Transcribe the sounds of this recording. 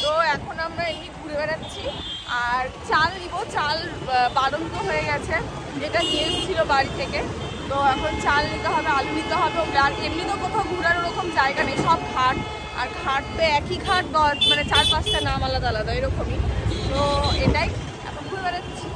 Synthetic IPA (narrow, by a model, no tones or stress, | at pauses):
t̪oɛkʰonamɾaemniɡʱuɾebeɾat̪ːɕʰi | aɾt͡ɕalnibot͡ɕal | baɽont̪oɦojeɡɛt͡ɕʰe | d͡ʑeʈaɡest͡ɕʰilobaɽit̪ʰːeke | t̪oɛkʰont͡ɕalnit̪eɦɔbealunit̪eɦɔbeomɾaaɾemnit̪opɾok̪ʰaɡʱuɾaɾoɾɔkomd͡ʑaeɡanejʃɔb̚kʰaʈ̚ | a̰ɾkʰaʈ̚peɛkikʰaʈ̚kɔmanet͡ɕaɾpastanamalad̪alad̪ɔeɾɔkomit̪oeʈaj | ɛ̰kʰonɡʱuɾebeɾat̪ːɕʰi